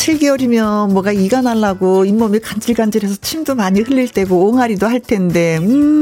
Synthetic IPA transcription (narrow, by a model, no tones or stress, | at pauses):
ɕʰiɭɡiʌɾimjʌmwʌɡaiɡanaɭːaɡoimːʌmikand͡ʑiɭɡand͡ʑiɾesʰʌt͡ɕʰimdomaɲihɯʎːiɭt͈e̞ɡoːŋaɾidohaɭtʰe̞nde̞ɯ